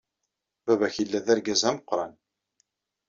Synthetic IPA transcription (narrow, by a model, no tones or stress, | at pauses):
bævæçilːæðæɾɡæzæməqːɾˤɑn